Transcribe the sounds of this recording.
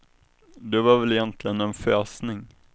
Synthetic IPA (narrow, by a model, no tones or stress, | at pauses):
d̪ɛvaɾvɛlɪjɛnt̪ʰlɪɡənɛnføːsnɪŋ